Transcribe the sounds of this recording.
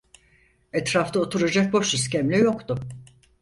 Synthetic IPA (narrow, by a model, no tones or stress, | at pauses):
ɛt̪ɾaft̪ʰaot̪ʰuɾad͡ʒak̚bo̞ʃiscʲɛmlʲijo̞kt̪ʊ